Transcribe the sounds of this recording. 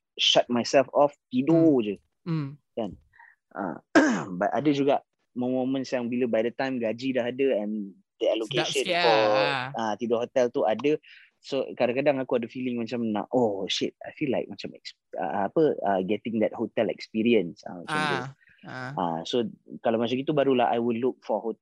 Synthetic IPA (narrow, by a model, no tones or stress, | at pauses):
ʃat̚majsɛlfɔft̪idod͡ʒə | kan | ʔã̰batʔa̰dəd͡ʒuɡaʔ | mõmõmə̃nsjaŋbiləbajdət̪ãjmɡad͡ʒidahadəɛ̃n | d̪əɛlokeʃə̃nfɔat̪idohot̪ɛlt̪uadə | sokadaŋkadaŋakuadəfilɪŋmat͡ʃamna̰ʔoʃɪt̚a̰jfilːajk̚mat͡ʃamɛ̰ks | a̰ːpəəɡɛt̪ɪ̃ŋd̪ɛt̚hot̪ɛlɛ̰kspiɾiə̃nsa̰mat͡ʃamt̪u | ʔa̰sokalamat͡ʃamit̪ubaɾulaha̰jwiluk̚fɔho